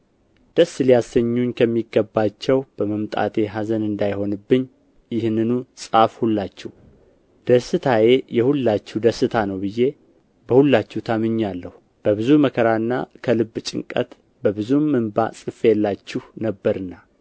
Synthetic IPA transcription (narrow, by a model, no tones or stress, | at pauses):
d̪̥əsːɨlijasəɲːuɲkʰəmːiɡəbːat͡ʃːɛwb̥əməmt̪ʼa̰t̪ʰe̞ɦazənɨnd̪ajho̞nɨbːɨɲː | jɪhnːɨnusʼafhulːat͡ʃːɛh | d̪̥əsɨt̪ʰaje̞jɛhulːat͡ʃːuhd̪əsɨt̪ʰanəwbɨje̞ | bəhulːat͡ʃːut̪ʰamɨɲːalːəhu | b̥əβɨzuməkʰəɾanːa̰kʰəlɨbːt͡ʃʼɪ̰ŋkʼə̰t̪ | bəbɨzumɨmbasʼɨfeɛlːat͡ʃːɪhnəbːəɾɨnːa